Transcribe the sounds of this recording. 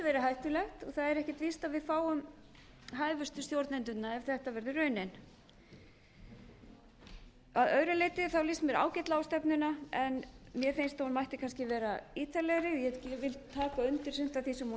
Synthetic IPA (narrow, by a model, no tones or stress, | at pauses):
vɛːɾɪɦajht̪ʏlɛxt̪ɔ̰ɣθaðɛɾɛhcɪt̪vist̪aðvɪðfaːwʏm | ɦaːjvʏst̪ʏst̪jowɾt̪nɛnt̪ʏt̪naɛv̥θɛht̪avɛɾðʏrœːɥnɛn | aðœɥɾʏlejt̪ɪθawlismɛɾa̰ːwcɪt̪laawst̪ɛpnʏnaɛnmjɛfejnst̪aunmajht̪ɪkʰanscɪvɛːɾaiːt̪alɛɣɾɪjɛcɪvɪlt̪ʰːaːkaʏnt̪ɪɾ̥sʏn̥t̪aθisɛmhu